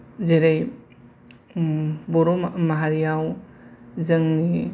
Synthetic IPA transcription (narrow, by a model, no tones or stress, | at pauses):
zeɾej | bɔɾomaɦaɾijaw | zəŋni